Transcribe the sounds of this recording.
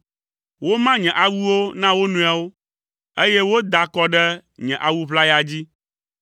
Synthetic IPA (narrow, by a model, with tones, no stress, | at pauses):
wo˦mã˦ɲɛ̃˨ʔa˨wu˦wo˦nã˦wo˦nũ˨˦a˨wo˦ | e˦jɛ˦wo˦d̪a˨kɔ˨ɖɛ˦ɲɛ̃˨ʔa˨wu˦βla˦ja˨d͡ʑi˦